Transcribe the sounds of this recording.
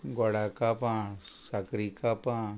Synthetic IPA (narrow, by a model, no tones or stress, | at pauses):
ɡɔɽakapã | sakɾikapãː